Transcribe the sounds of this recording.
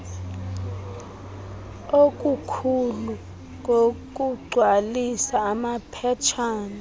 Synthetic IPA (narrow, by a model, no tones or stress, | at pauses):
ok̬ʼukʰulu | ŋok̬ʼuɡ͡ǀʱwalisaːmapʰɛt͡ʃʰaːni